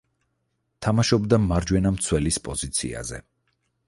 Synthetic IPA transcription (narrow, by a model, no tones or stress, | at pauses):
t̪ʰamaʃɔbd̪amaɾd͡ʒwɛnamt̪sʰwɛlispʼɔzit̪sʰḭa̰zɛ̰